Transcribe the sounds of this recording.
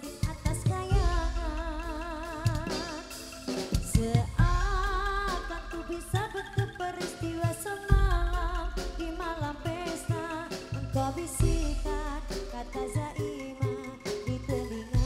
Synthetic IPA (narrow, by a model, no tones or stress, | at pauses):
diʔat̪askajaŋa | səʔa | t̪ant̪ubisabət̪up̚bəɾist̪iwasəmalamdimalampɛst̪amənt̪abisikakat̪azaʔimadit̪əliŋa